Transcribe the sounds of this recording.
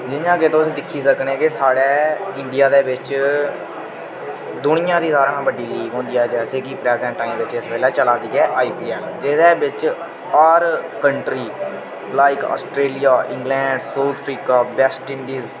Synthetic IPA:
d͡ʒɪnãːket̪oʊsĩːd̪ɪkʰːiːsəkneːkɪsaːɽɛːɪɳɖɪijaːd̪eːʋɪt͡ʃ | d̪ʊnɪjãːd̪iːsaːɾãːbəɖiːliːɡɦõːnd̪ijaːd͡ʒɛːseːkipɾɛːzɛ̃ːɳʈʈaːiːmʋɪt͡ʃɪspɛːlɛːt͡ʃəlaːd̪iːɛːʔaːiːpiːɛːmd͡ʒɪːd̪ɛːbɪt͡ʃ | ɔːɾkəɳʈɾiː | laːɪkɔ̰ːsʈɾeːlijaːʔɪ̃ŋɡlɛ̃ːɳɖsoːɾt̪ʰpʰɾiːkaːbɛsʈɪɳɖiːz

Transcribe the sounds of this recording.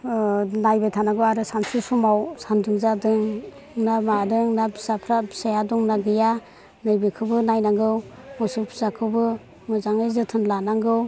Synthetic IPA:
najbajtʰanaɡɯwaɾɯsansusumawsanduŋzadɯŋ | namadɯŋnabisapʰɾabisajadɔŋnaɡɯja | nɯjbekʰɯbɯnajnaŋɡɯw | mɔsupʰu̥zakʰɯwbɯ | mɯzaŋɯjzɯtʰɯnlanaŋɡɯw

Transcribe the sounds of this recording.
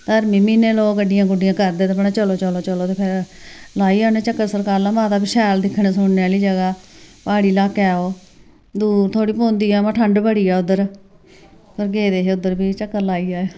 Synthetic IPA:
t̪əɾmĩːmiːneːloːkəɖɪjãːɡʊɖɪjãːkəɾd̪eːt̪eəpɳeːt͡ʃəloːt͡ʃəloːt͡ʃəloːt̪eːpʰɪɾlaːiːaːneːt͡ʃəkːəɾsəɾkaːɾlaːmãːt̪aːpɪʃɛːld̪ɪkʰːɳeːsʊɳneːaːliːd͡ʒəɡaː | paːɽiːlaːkɛːoː | d̪uːɾt̪ʰoːɽiːpõːnd̪iːaːmãːʈʰəɳɖbəɽiːɛːʊd̪əɾ | pəɾɡeːd̪eːɦeːʊd̪əɾbiːt͡ʃəkːəɾlaːiːaː

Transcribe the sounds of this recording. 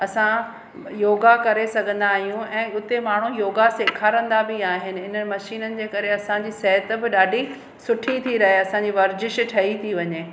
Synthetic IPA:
ɐsã | joːɡakɐɾesɐɡʱə̃nd̪aːɦijũɛ̃ːʊt̪emaːɳ̤ũjoːɡaseːkʰaːɾə̃nd̪abɪaːɦɪnɪ̆ɪnəmɐʃiːnənɪ̆d͡ʑeːkɐɾeɐsãɲd͡ʑiːsɛɦət̪̆bɪɗaːɖʱi | sʊʈʰit̪ʰiɾɐɦeɐsãɲd͡ʑiʋɐɾd͡ʑɪʃʈʰɐit̪ʰiʋɐɲeː

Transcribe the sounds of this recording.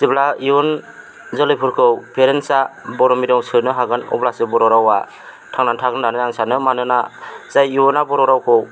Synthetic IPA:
siblaiun | zɔlɯjpʰuɾkʰɯwpʰeɾensabɔɾɔmiɾɔŋsɯnɯɦaɡɯnɔ̰blasɯbɔɾɔɾawa | tʰaŋnantʰaɡɯndanɯaŋsanɯmanɯnazajiɔnabɔɾɔɾawkʰɯw

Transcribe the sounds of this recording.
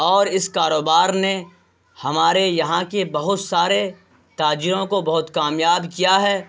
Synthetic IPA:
ɔːɾɪskaːɾoːbaːɾne | hɐmaːɾejɐɦãkebɐɦʊt̪saːɾe | t̪aːd͡ʒɪɾõkobɐɦʊt̪kaːmjaːbkijaɦɛː

